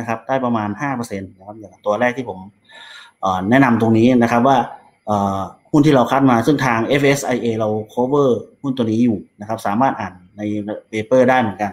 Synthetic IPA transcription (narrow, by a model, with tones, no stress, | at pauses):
na˦˥kʰa˦˥p̚daː˥˩jpa˧maː˧nhaː˥˩pɤː˧se˧nna˦˥kʰa˧˦˥p̚ja˨˩a˧˩t̪u˧ɐɾɛː˥˩k̚t̪ʰiː˥˩pʰo˩˦m | ʔəː˨˩nɛ˦˥ʔna˧mt̪o˧ŋniː˦˥na˦˥kʰa˦˥p̚waː˥˩ | ʔɤː˨˩hu˥˩nt̪ʰiː˥˩ɾa˧wkʰa˦˥t̪̚maː˧sɯ˥˩ŋt̪ʰaː˧ŋʔe˦˥fʰʔe˦˥sʔa˧jʔeː˧ɾa˧wkʰoː˦˥wɤː˥˩hu˥˩nt̪u˧əniː˦˥juː˨˩na˦˥kʰa˦˥p̚saː˩˦maː˥˩t̪̚ʔaː˨˩nːa˧jpeː˧pɤː˥˩daː˥˩jmɯ˩˦ə˦nka˧n